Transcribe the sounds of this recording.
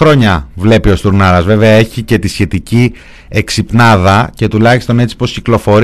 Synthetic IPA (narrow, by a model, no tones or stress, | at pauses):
ɾo̞ɲɐvle̞pio̞st̪uɾnɐɾɐzve̞veɐe̞çice̞t̪isçe̞t̪ici | eksipnɐðɐce̞t̪ulɐçist̪o̞ne̞t͡si̥po̞sciklo̞fo̞ɾ